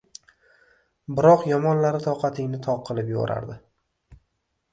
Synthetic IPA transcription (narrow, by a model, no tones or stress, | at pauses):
bɪɾɒqjɒmɒnlaɾɪt̪ʰɒqʰɑt̪ʰɪŋnɪt̪ʰɒq̚qʰːɨlˠɪpjo̰ɾʔa̰ɾd̪ɪ